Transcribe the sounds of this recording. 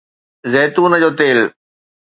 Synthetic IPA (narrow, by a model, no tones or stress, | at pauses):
zɛːt̪uːnəd͡ʑoːt̪eːl